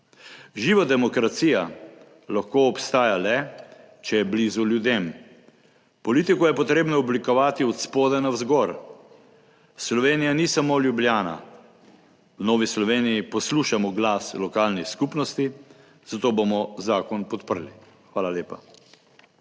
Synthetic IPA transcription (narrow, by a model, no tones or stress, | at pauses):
ʒiːʋad̪ɛmɔkɾat̪siːja | laxkoɔpst̪aːjalɛ | t͡ʃɛjɛblizuljud̪em | pɔlit̪ikɔjɛpɔt̪ɾeːbnɔɔblikɔʋaːt̪iɔt̪spoːd̪ɛnawzɡɔɾ | slɔʋeːnijanisamoljubljaːna̰ | wnɔːʋislɔʋeːnijipɔsluːʃamɔɡlaslɔkaːlniskupnɔst̪i | z̥at̪oːbomɔzaːkɔnpɔt̪pəɾli | xʋaːlaljeːpa